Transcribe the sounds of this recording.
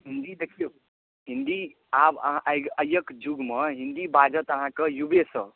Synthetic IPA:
ɦind̪id̪ekʰijo | ɦind̪i | ab̰ɦãʔjɡəjəkd͡ʒuɡməɦind̪ibad͡ʒət̪əɦãkəjubesə

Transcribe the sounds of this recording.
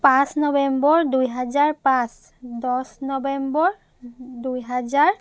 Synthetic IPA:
pãsnɔbɛmbɔɹdujɦazaɹpãs | dɔsnɔbɛmbɔɹ | dujɦazaɹ

